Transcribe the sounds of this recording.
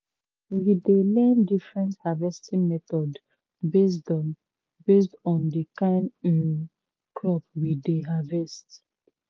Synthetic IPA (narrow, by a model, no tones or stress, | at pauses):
widelɛ̃ndifɹɛ̃nthavɛstĩmɛtɔd | bes̬dɔn | bestɔ̃ndikãni | klɔpwideɦavɛst